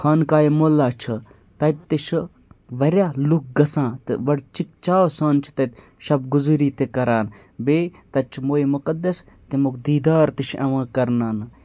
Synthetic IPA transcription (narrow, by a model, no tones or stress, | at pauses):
xʰaːnkaːjimoːlːaːt͡ʃʰɨ | t̪ɐt̪ːiʃʰ | ʋɐɾʲjaːluk̚ɡɐsãːt̪ɨʋɐɽt͡ʃik̚t͡ʃaːwsãːnt͡ʃʰi̥t̪ɐt̪ | ʃɐbɡuzuɾiːt̪ekɐɾaːn | beːt̪ɐt͡ʃʰmoːimukɐd̪ɐs | t̪imukd̪iːd̪aːɾt̪iʃʰɐʋãːkɐɾnaːn